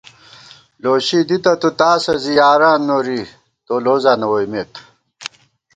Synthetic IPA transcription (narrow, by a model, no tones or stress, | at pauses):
loːɕid̪it̪ɐt̪ut̪aːsɐzijaːɾaːnːoɾi | t̪oːloːzaːnɐwojmet̪